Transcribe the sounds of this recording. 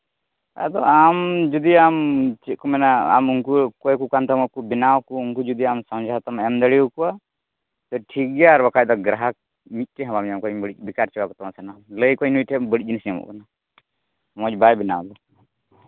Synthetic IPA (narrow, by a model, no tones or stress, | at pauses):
a̰d̪ɔamd͡ʒud̪iamt͡ʃit̪̚kɔmɛnaa̰muŋkukɔjkukant̪amɔkubinawkuuŋkud͡ʒud̪iamsɔmd͡ʒʱawt̪amɛmd̪əɽiukua | t̪ɔʈʰik̚ɡɛjaɾbɔkaj̚d̪ɔɡɾaɦak̚ | mit̪̚ˀkɛɦãbamamkɔbəɽic̚ˀbikaɾt͡ʃɛwakɔt̪ɔmasanaləjkɔjnuiʈʰɛbəɽic̚ˀinsiamṵʔkana | mɔc̚bajbina̰wd̪ɔ